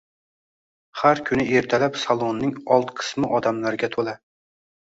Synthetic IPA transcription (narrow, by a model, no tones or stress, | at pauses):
haɾkʲʰʊnɪeɾt̪ʰalapsɑlˠonːɪŋɒlˠt̪qʰɨ̥smɪʔɒd̪amlaɾɡʲat̪ʰola